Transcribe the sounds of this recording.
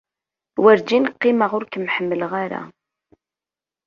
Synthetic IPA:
wəɾd͡ʒinqːɪməʁʊɾkəmħəmːələʁaɾa̰

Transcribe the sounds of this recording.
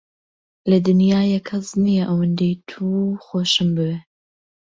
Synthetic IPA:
lɐd̪ɨnjaːjɛkʰːɐznijɛʔɐwɨnd̪ejt̪ʰuxoːʃɨmbɨbe

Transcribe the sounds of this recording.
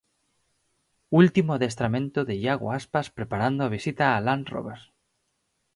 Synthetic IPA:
ult̪imoaðest̪ɾamẽnt̪oðeʎaɣo̰aspaspɾepaɾand̪oaβ̞isit̪aːlanro̰βeɾs

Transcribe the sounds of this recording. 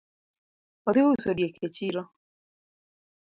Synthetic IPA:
oðiusodjekʰet͡ʃiɾɔ

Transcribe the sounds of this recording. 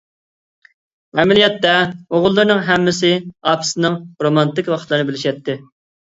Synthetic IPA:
ɛmɪlijɛt̪ːɛoʁʊlˠːɨɾnɨŋɦɛmːɪsɪɑpʰsɨnɨŋɾomɑnt̪ɪkʲwɑqʰt̪lˠɨɾnɨbɪlɪʃɛt̪ʰːɪ

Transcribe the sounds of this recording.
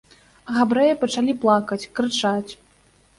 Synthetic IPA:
ɣabɾɛjɐpɐt͡ʂalʲiplˠakɐt͡sʲkɾɨt͡ʂat͡sʲ

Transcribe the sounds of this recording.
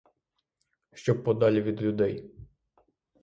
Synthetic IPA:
ʃt͡ʃɔb̚pɔd̪ɑlʲiʋʲid̪lʲʊd̪ɛj

